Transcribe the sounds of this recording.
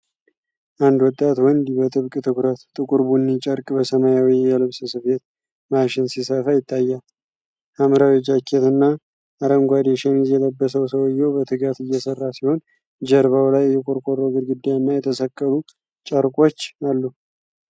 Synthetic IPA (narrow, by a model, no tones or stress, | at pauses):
ʔand̪wɔt̪ʼːat̪wɔnd̪iβət̪ʼɨβkʼɨt̪ʰɨkɾət̪t̪ʼɨkʼuɾbunːit͡ʃʼəɾkʼbəsəmajawijɛlɨβsəsɨfet̪̚ | maʃɪnsisəfajɪt̪ʰʼːajːal | ʔamɨɾawid͡ʒakʰːet̪ɨnːa | ʔːɾəŋɡʷad̪eʃɛnizjɛləbːəsəwsəwjːɛwbət̪ʰɨɡat̪ɨjːɛsərːasiho̞n | d͡ʒəɾβawlajːɛkʼoɾkʼorːəwɡɨd̪ɡɨd̪ːajnːajɛt̪ʰəsəkʼːəlu | t͡ʃʼəɾkʼo̞t͡ʃːalːu